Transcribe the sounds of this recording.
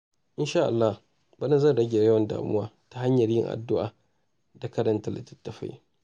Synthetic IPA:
ʔɪ˦nʃaː˦ʔa˨lːa˦h | bɐ˦nɐ˦˨zɐ˦˨ɽɐ˦ɡʲeː˨˦jɐ˦wɐ˨nda̰ː˨mʊ˦waː˦ | ta˦ɦa˦ɲjɐ˨ɾɪ̰˦ŋʔa̰˨dːʊ˦ʔa̰ː˨ | da˨kɐ˦dɐ˦ntɐ˨lɐ̰˨tɐ̥˦tːɐ˨ɸa̰˦j

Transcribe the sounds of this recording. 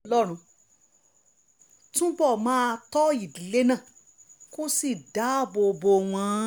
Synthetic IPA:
lɔ˦ɾ̃ũ˧ | tũ˦bɔ˦˨mãː˦˧tɔ˦i˦˨di˨le˦nã˦˨ | ko˦si˦˨da˨˦˨bo˧bo˧w̃ã˧˦

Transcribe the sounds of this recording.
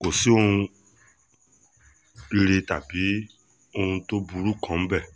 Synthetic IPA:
ko˨si˨˦o˦hũ˧ | i˧ɾe˧ta˨bi˨˦ | o˧hũ˧to˦bu˧ɾu˦kã˦m̩˦bɛ˦˨

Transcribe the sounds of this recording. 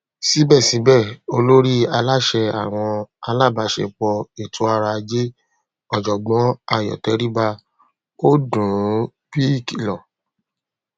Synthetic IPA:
si˨˦bɛ˦˨sĩ˨˦bɛ˦˨o˧lo˦ɾi˦a˧la˦ʃɛ˧a̰˨w̃ɔ̃˧a˧la˦˨ba˨˧˦ʃɛ̰˧k͡pɔ˧e˨tʰo˨˦a˧ɾa˧d͡ʒe˦ | ɔ˨d͡ʒɔ˨ɡ͡bɔ̃˨˦a˦˨jɔ̰˨tɛ˨˦ɾi˦ba˧ | o˦dũ˨˦ | pi˦i˦˨ki˨lɔ˨

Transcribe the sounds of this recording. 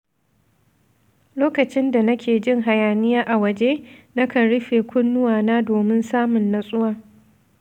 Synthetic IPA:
loː˦kɐ˨t͡ʃɪ˦nda˨nɐ˦kʲeː˨d͡ʒɪ˦ŋɦa˨jaː˨nɪ˦jaː˦ʔa˨wɐ˨d͡ʒeː˦na˦kɐ˨nɽʊ˦ɸeː˨kʷʊ˦nːʊ˦waː˨naː˦doː˨mɪ˦nsaː˦mʊ˨nːa˨sʼʊ˦waː˨

